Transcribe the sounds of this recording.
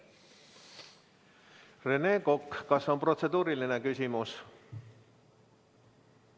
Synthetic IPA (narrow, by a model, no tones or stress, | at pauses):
reneːkokkɑso̞npro̞t̪se̞d̪uːɾiline̞kysʲimus